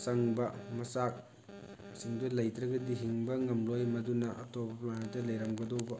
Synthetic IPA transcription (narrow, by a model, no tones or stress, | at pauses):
sɐŋbɐmɐsak̚ | siŋdulɐjtɾɐɡɐdiɦiŋbɐŋɐmlojmɐdunɐʔɐ̰tɔbɐplantɐlɐjɾɐŋɡɐdowbɐ